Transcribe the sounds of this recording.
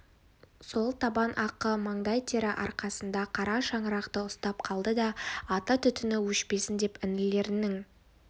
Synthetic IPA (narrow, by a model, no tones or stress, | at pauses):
so̞lˠt̪ʰɑbɑnʔɑqəmɑɴd̪ɑjt̪ʰeɾɪʔɑ̰ɾqɑsənd̪ɑqʰɑɾɑʃɑɴəɾɑqt̪əʊst̪ɑp̚qʰɑlˠd̪əd̪ɑːt̪ɑt̪ʰʏt̪ʏnɪwɵʃpe̞sɪnd̪e̞pɪnɪle̞ɾɪnɪŋ